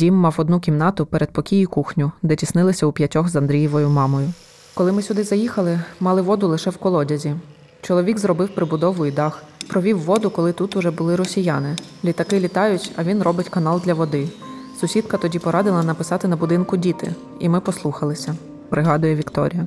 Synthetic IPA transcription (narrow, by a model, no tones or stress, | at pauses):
dʲimːɑwɔd̪nuk̬ʲimnɑt̪ʊpɛɾʔed̪̚pɔkʲijikuxnʲʊd̪ɛtʲisnɪlˠɪsʲɐupʲjɐtʲɔxzɐnd̪ɾʲijɔʋɔjʊmɑmɔjʊ | kɔlˠɪmɪsʲʊd̪ɪzɐjixɐlˠɪmɑlˠɪʋɔd̪ʊlˠɪʃɛwkɔlˠɔdʲɐzʲi | t͡ʃɔlˠɔʋʲiɡzrɔbɪwpɾɪbʊd̪ɔʋʊjid̪ɑxpɾɔʋʲiwːɔd̪ʊkɔlˠɪt̪ut̪ʊʒɛbʊlˠɪɾɔsʲijɑnɪ | lʲit̪ɐkɪlʲit̪ɑjʊtʲɐʋʲinrɔbɪtʲkɐnɑlˠd̪lʲɐʋɔd̪ɪ | sʊsʲid̪kɐt̪ɔdʲipɔɾɑd̪ɪlˠɐnɐpɪsɑt̪ɪnɐbʊd̪ɪnkʊdʲit̪ɪ̰ | imɪpɔslˠuxɐlˠɪsʲɐ | pɾɪɦɑd̪ʊjɛʋʲikt̪ɔ̰ɾʲijɐ